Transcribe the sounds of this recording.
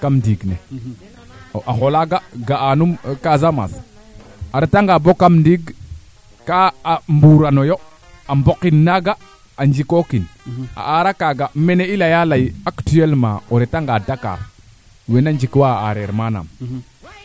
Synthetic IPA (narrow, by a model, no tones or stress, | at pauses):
kamndiɡnḛ | ʔaxolaɡaɡaːnumkazama̰s | aɾetaŋɡabokamndiɡ | kaambuɾanojo | ambokinːaɡa | and͡ʒikokina̰ʔaɾakaɡameneilajalajaktielmã̰oɾetaŋɡadaka̰ɾ | wenand͡ʒikwaaaɾeɾmana̰m